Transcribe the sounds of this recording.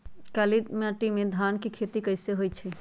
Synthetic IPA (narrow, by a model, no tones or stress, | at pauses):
kalimeəʈimed̪ʱankikʰet̪ikəɪseɦojt͡ʃʰi